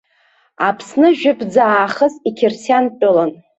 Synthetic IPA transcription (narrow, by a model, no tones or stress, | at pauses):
apʰsnɨʒᶣʏpʰd͡zaːχəzikʲʰɪrsjant͡pʼʊlan